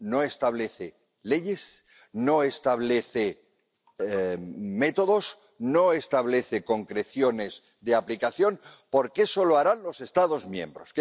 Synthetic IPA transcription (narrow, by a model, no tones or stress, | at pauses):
no̞e̞st̪aβ̞le̞θe | le̞ʝe̞s | no̞e̞st̪aβ̞le̞θe̞ | me̞t̪o̞ðo̞s | no̞e̞st̪aβ̞le̞θe̞ko̞ŋkɾe̞θjone̞z | ðeaplikaθjo̞npo̞ɾkeso̞loaɾanlo̞se̞st̪aðo̞zmjẽ̞̰mbɾo̞s